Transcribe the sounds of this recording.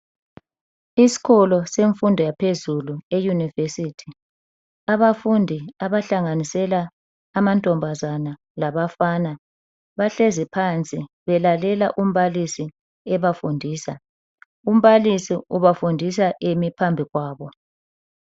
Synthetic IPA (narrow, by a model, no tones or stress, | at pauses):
isi̥ɣʰɔlɔseɱfundʱɔjapʰezuluejunivesitʰi | aβafundʱiaβaɬaŋanisɛlaː | mantʼɔmbʱazana | laβafana | βaɬɛzipʰant͡sʼi | βɛlalɛlaʔum̩βalisi | ɛβafundʱiːsa | um̩βalisiuβafundʱis̬aʔemipʰambʱiɣwaːβɔ